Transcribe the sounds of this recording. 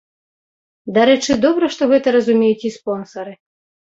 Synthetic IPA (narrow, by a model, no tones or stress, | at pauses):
d̪aɾɛt͡ʂɨd̪ɔbɾɐʂt̪ɔɣɛt̪ɐɾɐzumʲejut͡sʲispɔnsɐɾɨ